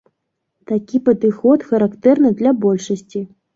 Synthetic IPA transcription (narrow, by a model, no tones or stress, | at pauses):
t̪akʲipɐd̪ɨxɔt̪xɐɾakt̪ɛrnɨd̪lʲabɔlʲʂɐsʲt͡sʲi